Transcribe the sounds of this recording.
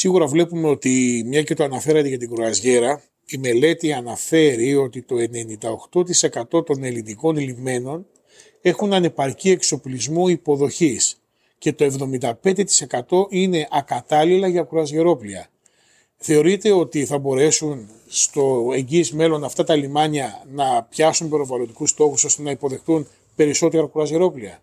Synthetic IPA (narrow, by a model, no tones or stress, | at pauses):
siɣuɾɐvle̞pume̞o̞t̪imɲɐcet̪oɐnɐfe̞ɾɐt̪eʝɐt̪̬iɡɾoɐzʝe̞ɾɐ | ime̞le̞t̪iɐnɐfe̞ɾio̞t̪it̪o̞e̞ne̞nind̪ɐo̞xt̪o̞t̪ise̞kɐt̪o̞t̪o̞ne̞liniko̞nilime̞no̞n | e̞xunɐne̞pɐɾcie̞kso̞plizmuipo̞ðo̞çis | ce̞t̪o̞e̞vðo̞mind̪ɐpe̞nd̪e̞t̪i̥se̞kɐt̪o̞ʔine̞ʔɐkɐt̪ɐlilɐʝɐkuɾɐzʝeɾo̞pliɐ̰ | θe̞o̞ɾit̪e̞o̞t̪iθɐbo̞ɾe̞sun | st̪o̞e̞ɲɟiːzme̞lo̞nɐft̪ɐt̪ɐlimɐɲɐnɐpçɐsumbeɾovɐlond̪ikust̪o̞xuso̞st̪e̞nɐipo̞ðe̞xθun | pe̞ɾiso̞t̪e̞ɾɐkuɾɐzʝe̞ɾo̞pliɐ̰